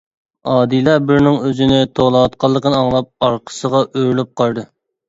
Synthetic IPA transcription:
ɑːd̪ilˠɑbɪɾnɪŋøzɪnɪt̪ʰolˠɑɑt̪̚qʰɑlˠːəqənɨɑŋlˠɑp̚ɑɾqʰə̥səʁɑʔøɾlyp̚qʰɑɾd̪ɨ

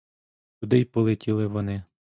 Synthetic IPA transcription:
t̪ʲud̪ɪjpɔlˠɪtʲilˠɪʋɔnɪ

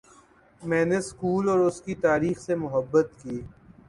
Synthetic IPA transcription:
mɛ̃ːneskuːlɔːɾʊskit̪aːɾiːxsemʊɦəbːət̪kiː

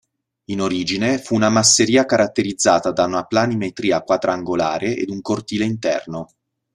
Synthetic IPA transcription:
inoɾiːd͡ʒinefuːnamasːeɾiːakaɾat̪ːeɾid̪zːaːt̪ad̪aunaplanimet̪ɾiːakwad̪ɾaaŋɡolaːɾeʔḛd̪uŋkort̪iːleint̪ɛ̰rno

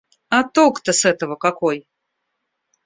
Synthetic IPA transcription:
at̪okt̪əsɛt̪əvəkakoj

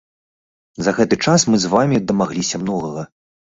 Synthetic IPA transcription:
zɐɣɛt̪ɨt͡ʂasmɨzvamʲid̪ɐmaɣlʲisʲɐmnɔɣɐɣɐ

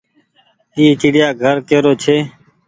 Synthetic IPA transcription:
iːt͡ʃiɽɪjaːɡʱəɾkeːɾoːt͡ʃʰeː

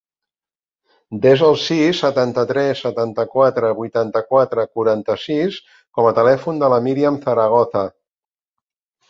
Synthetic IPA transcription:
d̪ezəlˠsisːət̪ant̪ət̪ɾɛsːət̪ant̪əkwat̪ɾəβujt̪ant̪əkwat̪ɾəkuɾant̪əsis | kɔmət̪əlɛfund̪ələmiɾiəmθəɾəɣ̞ɔθə

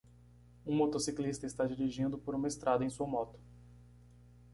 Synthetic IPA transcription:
ũmot̪osiklist̪ɐɪst̪ad͡ʒiɾiʒĩnd̪ʊpoɾũmɐest̪ɾʔad̪ɐẽj̃suɐmɔt̪ʊ̥

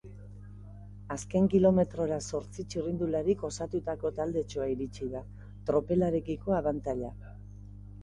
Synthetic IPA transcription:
aske̞ŋkilo̞me̞t̪ɾo̞ɾaso̞ɾt͡sit͡ʃirind̪ulaɾiko̞sat̪ut̪ako̞t̪ald̪e̞t͡ʃoaiɾit͡ʃiða | t̪ɾo̞pe̞laɾe̞kiko̞aβant̪aʎa

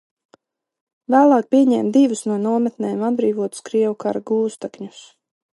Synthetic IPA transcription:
væːlˠɑːk̚pʲiɛɲɛːmd̪ivusnuɔnuɔmɛt̪nɛːjmad̪̚bɾiːvuɔt̪u̥skɾiɛvukaɾaɡuːst̪akɲus

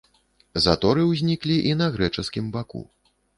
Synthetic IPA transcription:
zat̪ɔɾɨwzʲnʲiklʲiʔinɐɣɾɛt͡ʂɨskʲimbakṵ

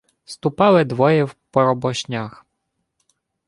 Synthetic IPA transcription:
st̪upɑwɪd̪ʋɔjɛwpɔɾɔbɔɕʲnʲax

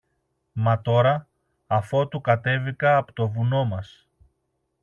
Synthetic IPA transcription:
mɐt̪o̞ɾɐ | ɐfo̞t̪ukɐt̪e̞vikɐːpo̥t̪o̞vuno̞mɐs

